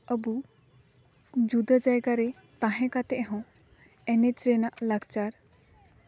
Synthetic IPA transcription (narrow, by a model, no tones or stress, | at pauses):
əbu | d͡ʒud̪əd͡ʒajɡaɾɛ | t̪ãɦɛ̃kat̪ɛʔɦɔ̃ | ɛnɛt͡ʃɾɛnaʔlaɡt͡ʃaɾ